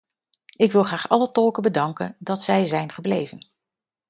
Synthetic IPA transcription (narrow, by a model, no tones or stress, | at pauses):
ɪkʋɪlˠχraːχɑlətɔlˠkəbədɑŋkəndɑtsɛjzɛjnχəblejvən